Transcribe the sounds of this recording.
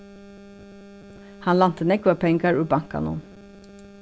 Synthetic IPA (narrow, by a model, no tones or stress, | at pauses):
hɑnlɑnt̪ʰənɛkʊəpʰɛŋɡɑɹʉːbɑŋkɑ̰nṵːn